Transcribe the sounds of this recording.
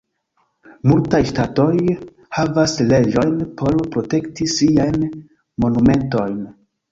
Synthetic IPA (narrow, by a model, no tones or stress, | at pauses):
multajʃtato̞j | havasle̞d͡ʒo̞jnpʰo̞ɾpɾo̞te̞ktisiajn | mo̞nume̞nto̞jn